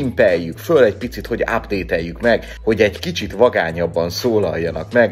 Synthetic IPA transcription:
impɛjːykfølɛɟpit̪sit̪ho̞ɟa̰bd̪eːt̪ɛjːykmɛɡ | ho̞ɟɛɟkit͡ʃit̪vɒɡaːɲɒbːɒnsoːlɒ̰jːɒnɒkmɛɡ

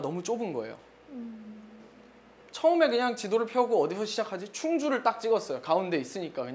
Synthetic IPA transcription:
nʌmut͡ɕ͈obɯnɡʌḛjo̰ | t͡ɕʰʌɯme̞kɯɲaŋt͡ɕidoɾɯɭpʰjʌuɡoʌdisʰʌɕʰid͡ʑakʰad͡ʑit͡ɕʰuŋd͡ʑuɾɯɭt͈ak̚t͡ɕ͈iɡʌs͈ʌjokaunde̞is͈ɯɲik͈akɯɲ

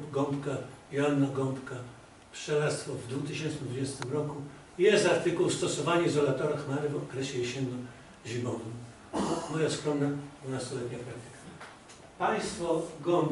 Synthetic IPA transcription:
ɡɔmpkajanːaɡɔmpka | pʂɛlat̪st̪fɔvd̪vut̪ɘɕɛntt͡ʂnɘd̪vud͡ʑɛst̪ɘmɾɔku | jɛst̪aɾt̪ɘkuwst̪ɔsɔvaɲɛizɔlat̪ɔɾaxmanɘvɔkɾɛɕɛjeɕɛnːɔ | ʑibɔnɛm | mɔjaskɾɔnːad̪vunast̪ɔlɛt̪ɲapɾat̪ʲɛk | paj̃st̪fɔɡɔm

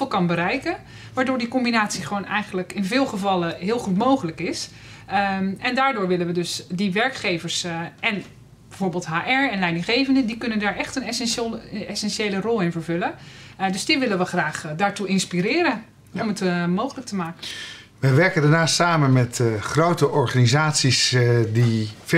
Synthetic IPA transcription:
fəlˠkɑnbəɾɛjkən | ʋaːɹdʊːɹdikɔmbinaːtsiχəʋownɛjχəndələkɪnvɪːlˠχəvɑlˠəɦɪːlˠχutmowχələkɪs | ɛndaːɹdʊːɹʋɪlənʋədøsdiʋɛɹkχejvəɹsʔɛn | bɛjvoːɹbɪːlˠtɦaːʔɛɹɛnlɛjdɪŋχejvəndədikɵnəndaːɹʔɛχtənɛsɛnlˠɛsɛnʃeːlərɔlˠɪnvəɹvɵlədøsdiʋɪlənʋəχraːχdaːɹtuɪnspiɾɪːɾən | ɔmətmowχələk̚təmaːkən | ʋəjʋɛɹkəndaːɹnaːstːaːmənmɛtχrowtəʔɔɹχanizaːtsisdif

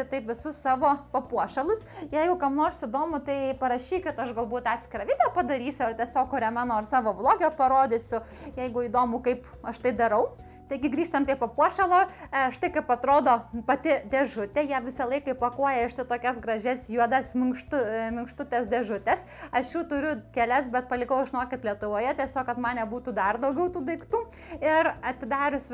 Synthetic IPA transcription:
ɪt̪ɐɪpʋʲɪsʊssɑːʋoːpɐpuɔʃʲɛlˠʊsjɛɪɡʊkɐmnoːrsɪd̪oːmʊt̪ɐɪpɐɾɐʃʲiːkʲɪt̪ɐʃɡɐlˠbuːt̪ɑːt̪ʲsʲkʲɪɾɐːʋʲiːt̪ʲɛːpɐd̪ɐɾʲiːsʲʊɐrt̪ʲɛsʲoːkʊɾʲɛmɑnoːɐrsɑːʋoːblˠoːɡʲɪjoːpɐɾoːd̪ʲɪsʲʊ | jɛɪɡʊiːd̪oːmʊkɐɪp | ɐʃt̪ɐɪd̪ɐɾɐʊ | t̪ɐɪɡʲɪɡɾʲiːʃt̪ɐmpɾʲiɛpɐpuɔʃʲɛlˠoːɐʃt̪ɐɪkɐɪpɐt̪ɾoːd̪oːpɐt̪ʲɪd̪ʲɛʒʊt̪ʲɛjiɛʋʲɪsɐlˠɐɪkɐɪpɐkuɔjɛɪʃt̪ɪt̪oːkʲɛsɡɾɐʒʲɛsjuɔd̪ɐsmʲɪŋkʃt̪ʊmʲɪŋkʃt̪ʊt̪ʲɛsd̪ʲɛʒʊt̪ʲɛs | ɐʃjuːt̪ʊɾʲʊkʲɛlʲɛsbʲɛt̪̚pɐlʲɪkɐʊʒʲɪnoːkʲɪt̪lʲiɛt̪ʊʋoːjɛt̪ʲiɛsʲoːkɐt̪mɑːnʲɛbuːt̪uːd̪ɐrd̪ɐʊɡʲɛʊt̪uːd̪ɐɪkt̪uː | ɪrɐt̪ʲɪd̪ɑːɾʲʊs

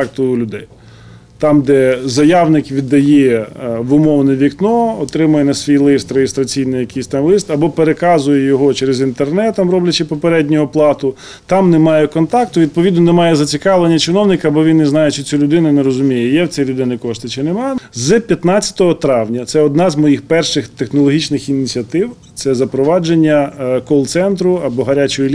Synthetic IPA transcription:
k̚t̪ʊlʲʊd̪ɛj | t̪ɑmd̪ɛzɐjɑwnɪkʋʲid̪ːɐjɛʋʊmɔwnɪjʋʲiknɔɔt̪ɾɪmʊjɛnɐsʲʋʲijlˠɪɪst̪ɾeɦɪst̪ɾɐt͡sʲijnɪjɐkijsʲt̪ɑmlˠɪst̪ɐbɔpeɾekɑzʊjɛjɔɦɔt͡ʃɛɾezint̪ernɛt̪ːɐmɾɔblʲɐt͡ʃɪpɔpeɾɛdʲnʲʊɔplˠɑt̪ʊ | t̪ɑmnɛmɑjɛkɔnt̪ɑkt̪ʊʋʲid̪̚pɔʋʲid̪nɔnemɑjɛzɐt͡sʲikɑʋlˠenʲːɐt͡ʃɪnɔwnɪkɐːbɔʋʲinːɛznɑjet͡ʃɪt͡sʲulʲʊd̪ɪnʊneɾɔzʊmʲijɛjɛwt͡sʲɛjlʲʊd̪ɪnɪkɔʃt̪ɪt͡ʃɪnemɑzpʲjɐt̪nɑt͡sʲːɐ̥t̪ɔɦɔt̪ɾɑwnʲɐt̪sɛɔd̪nɑzmɔjixpɛrʃɪxt̪exnɔlˠɔɦʲit͡ʃnɪxinʲit͡sʲiɐt̪ɪw | t̪sɛzɐpɾɔʋɑd͡ʒenʲːɐkɔlˠt̪sɛnt̪ɾʊɐbɔɦɐɾʲat͡ʃɔjʊlʲ

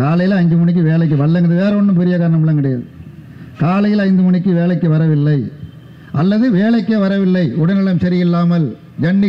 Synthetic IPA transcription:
kaːlɐjɪlɐɲd͡ʒɯmʊɳɪk̬ːɯʋeːɭɐɪk̬ːɯʋɐɭːɐŋɐðɯʋeːɾɐɔɳːɯmpɛɾɪjɐkaːɾɐɳɐmɪɭːɐŋkɐɽɛja̰ːðɯ | kaːlɐjɪlɐɪnd̪ɯmʊɳɪkːɯʋeːɭɐɪkːɯʋɐɾɐʋɪlːɐɪ | ʔɐlːɐðɯʋeːɭɐɪkːeʋɐɾɐʋɪlːɐɪʊɽɐnɪɽɐmsɐɾɪjɪlːaːmɐl | d͡ʒɐɳːi

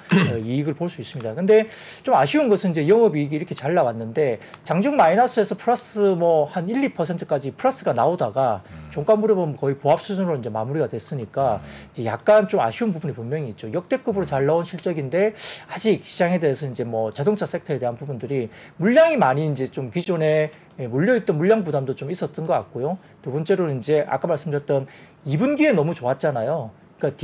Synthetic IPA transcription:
eiːɡɯɭpoɭs͈uis͈ɯmɲidakɯnde̞ | t͡ɕomaɕʰiunɡʌsʰɯnind͡ʑe̞jʌŋʌbiiɡiiɾʌkʰe̞t͡ɕaɭːawanːɯnde̞t͡ɕaŋd͡ʑuŋmainas͈ʰɯe̞sʰʌpʰɯɾas͈ɯmwʌhaniʎːipʰʌsʰe̞ntʰɯ̥k͈ad͡ʑipʰɯɾas͈ɯɡanaodaɡat͡ɕoŋk͈anbuɾibʌmkʌipoɦap̚s͈ud͡ʑunɾoind͡ʑe̞ma̰muɾiɡadwes͈ɯɲik͈aid͡ʑe̞ja̰k̚k͈ant͡ɕoma̰ɕʰiunpubunepummjʌŋiːt̚t͡ɕ͈ojʌk̚t͈e̞k͈ɯbɯɾot͡ɕaɭːaonɕʰiɭt͡ɕ͈ʌɡinde̞ad͡ʑik̚ɕʰid͡ʑaŋɦe̞de̞ɦesʰʌind͡ʑe̞mwʌt͡ɕadoŋt͡ɕʰasʰetʰʌede̞ɦanpubundɯɾimuɭːaŋimaɲiːnd͡ʑe̞t͡ɕomkid͡ʑone̞ː | muʎjʌit̚t͈ʌnmuɭːaŋbudamdot͡ɕomis͈ʌt̚t͈ʌnɡʌk͈at̚k͈ojo | tubʌnt͡ɕ͈e̞ɾoind͡ʑe̞ʔa̰k͈amaɭs͈ɯmd͡ʑʰʌt͈ʌn | ibunɡie̞nʌmut͡ɕoat̚t͡ɕ͈anajo | k͈at

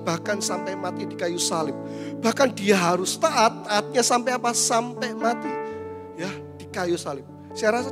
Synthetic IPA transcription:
b̥ahkansampɛmat̪idikajusalɪp̚b̥ahkandiaɦaɾʊst̪aʔat̪̚ːat̪̚ɲasampɛapasampɛmat̪i | jad̥ikajusalɪp̚ | saaɾasa

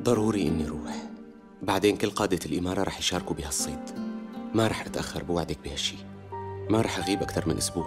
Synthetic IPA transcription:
d̪ˤɑɾˤuːɾiʔɪnːiɾuːħ | baʕd̪eːnkʊlːqɑːd̪alʔɪmɑːɾˤɑɾˤɑːħjʃɑːɾkubɪhasˤːeːt̪maɾˤɑːħʔat̪ʔaxːɑ̰ɾˤbɪwaʕd̪ak̚bɪhaʃːiː | maɾˤɑːħʔaɣiːbʔakt̪ɑɾˤmɪnʔʊsbuːʕ

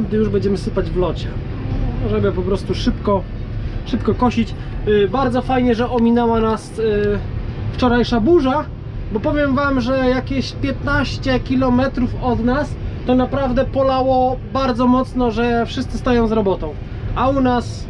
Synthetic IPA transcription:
d̪ɘjuʐbɛɲd͡ʑɛmɘsɘpad͡ʑvlɔt͡ɕɛ | ɔʐɛbɛpɔpɾɔst̪uʂɘpkɔ | ʂɘpkɔkɔɕit͡ɕ | baɾd̪zɔfajɲɛʐɛʔɔmʲinɛwanas | ft͡ʂɔɾajʂabuʐa | bɔpɔvʲjɛmvamʐɛjakʲeɕpʲjɛt̪naɕt͡ɕɛkʲilɔmɛt̪ɾufɔd̪nast̪ɔnapɾavd̪ɛpɔlawɔbaɾd̪zɔmɔt̪snɔʐɛfʂɘst̪sɘst̪ajɔ̃w̃zɾɔbɔt̪ɔ̃w̃ | aunas

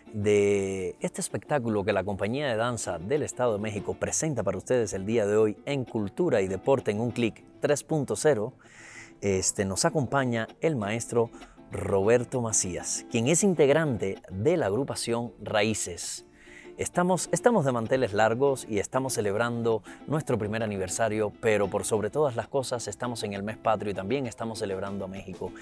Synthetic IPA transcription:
d̪e̞est̪eːspe̞k̚t̪ak̬ulo̞ke̞lako̞mpaɲiaðe̞ðansaðe̞le̞st̪að̞oðemexiko̞pɾe̞se̞nt̪apaɾaust̪e̞ð̞e̞se̞ld̪iað̞e̞o̞je̞ŋkult̪uɾaiðe̞po̞ɾt̪e̞ːŋuŋklik | t̪ɾe̞spunt̪o̞se̞ɾo̞ | est̪eno̞sako̞mpaɲae̞lmae̞st̪ɾo̞ | ro̞β̞e̞ɾt̪o̞masia̰skje̞ŋe̞sint̪e̞ɣɾãnt̪e̞ðe̞laːɣɾupasjo̞ŋraise̞s | est̪amo̞se̞st̪amo̞zðemãnt̪e̞le̞slaɾɣo̞sie̞st̪amo̞sːe̞le̞βɾand̪o̞nwe̞st̪ɾo̞p̬ɾime̞ɾaniβ̞e̞ɾsaɾjo̞pe̞ɾo̞po̞ɾso̞βɾe̞t̪o̞ðaslasko̞sase̞st̪amo̞se̞ŋe̞lme̞spat̪ɾjoit̪ambjeŋe̞st̪amosːe̞le̞β̞ɾand̪oame̞xiko̞

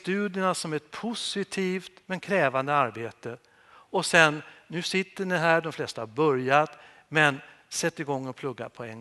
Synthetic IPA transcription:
t̪ʉ̟ːd̪jənasɔmɛt̪̚pʰʊsɪt̪ʰiːft̪mɛnkʰɾɛːvand̪əaɾbeːt̪ə | ɔsɛnːʉ̟ːsɪt̪ːəɳɪɦæːɖɔmflɛst̪ahaɾbœɾjat̪ | mɛn | sɛt̪ːɪɡɔŋːɔpʰlɵɡːa̰pʰɔɛn

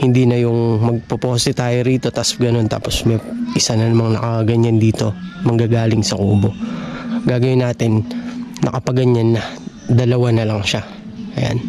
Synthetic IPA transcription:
hɪnd̪iːnɐjʊŋmɐɡ̚popoːsɪt̪aːjoɾiːt̪o̞t̪ɐsɡɐno̞nt̪a̰ːpo̞smɐjʔɪsanɐnɐmɐŋnɐkɐɡɐɲand̪iːt̪o̞mɐŋɡaːɡaːlɪŋsɐkṵːbo̞ | ɡaːɡɐwɪnaːt̪ɪnːʔɐ̰kɐpɐɡɐɲanːɐ | d̪ɐlɐwanɐlɐŋʃa | ʔɐja̰n

